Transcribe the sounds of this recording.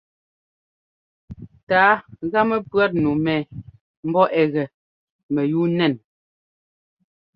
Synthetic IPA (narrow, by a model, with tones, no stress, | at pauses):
taː˨˦ɣa˦mɛ˦pɰa˦t̚nu˨mɛː˨ | m̩˦bɔ˦ʔɛ˨ɣɛ˨ | mɛ˨ju˦nɛ˦˨n